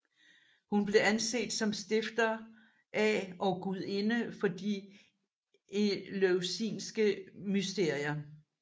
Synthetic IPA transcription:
hunb̥le̝ænse̝̰ːd̥sɒ̽msd̥e̝fd̥ɐ | ʔæʔɒ̽ɡ̥uð̰ˠe̝nəfɒ̽d̥i | eløʊsḭːnsɡ̥əmysd̥e̝ɐ̰iɐ

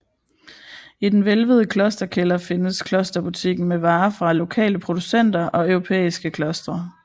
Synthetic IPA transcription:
id̥enʋelʋəð̞ˠəkʰlɒ̽sd̥ɐkʰelɐfe̝nəskʰlɒ̽sd̥ɐb̥ut͡sʰiɡ̥n̩meʋɑ̈ːfʁɑ̈lo̝kʰɛ̰ːləpʰʁo̝d̥usen̰d̥ɐʔɒ̽œʊʁo̝pʰḛːisɡ̥əkʰlɒ̽sd̥ʁɐ

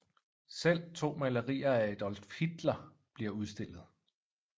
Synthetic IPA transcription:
sel̰t͡sʰo̝̰ːmæləʁḭːɐæed̥ɒlfhid̥lɐ | b̥liɐuð̞ˠsd̥e̝l̰ð̞̩ˠ

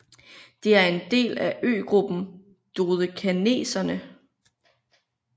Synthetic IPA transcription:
d̥e̝æɐe̝nd̥e̝̰ːlæʔø̰ːɡ̥ʁub̥n̩ | d̥oːðˠəkʰæne̝̰ːsɐnə

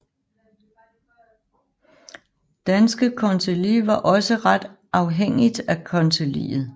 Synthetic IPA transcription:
d̥ænsɡ̥əkʰɒnsʰeliʋɑ̈ʔɒ̽səʁɑd̥ʔɑ̈ʊɦeŋ̰id̥ækʰɒ̽nt͡sʰelḭːð̩ˠ

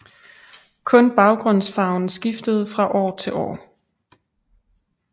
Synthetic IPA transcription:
kʰɔ̽nb̥ɑ̈ʊɡ̥ʁɔn̰sfɑ̈ʊn̩sɡ̥ifd̥əð̞̩ˠfʁɑ̈ʔɒ̰ːt͡sʰe̝lʔɒ̰ː

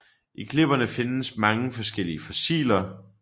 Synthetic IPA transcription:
ʔekʰle̝b̥ɐnəfe̝nsmɑ̈ŋəfɒ̽sɡ̥el̰iəfɔsḭːlɐ

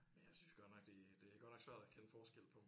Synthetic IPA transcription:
menjäɪsynsɡ̥ɒnɒ̽ɡ̥d̥e̝d̥e̝æɡ̥ɒdnɒɡ̥sʋæɐ̰d̥ækʰenəfɒːsɡ̥el̰̩pʰɒ̽m

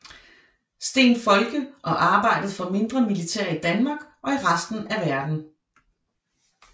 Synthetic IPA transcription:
sd̥e̝̰ːnfɒ̽lɡ̥əʔɒ̽ʔɑ̈ːb̥ɑ̈ɪ̰d̥əð̞̩ˠfɒ̽me̝nd̥ʁɐmilit͡sʰḛɐ̰id̥ænmɑ̈ːɡ̥ʔɒ̽iʁasd̥n̩æʋæɐd̥n̩

